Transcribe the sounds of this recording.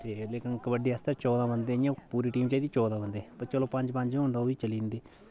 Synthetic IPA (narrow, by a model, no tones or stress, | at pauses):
t̪eːleːkɪnkəbəɖiːəst̪aːt͡ʃɔːd̪ãːbənd̪eːjãːpuːɾiːʈiːmt͡ʃaːid̪iːt͡ʃɔːd̪ãːbənd̪eːpəɾt͡ʃəlõːpə̃ɲd͡ʒpə̃ɲd͡ʒẽõːnd̪aːoːiːt͡ʃəliːnd̪eː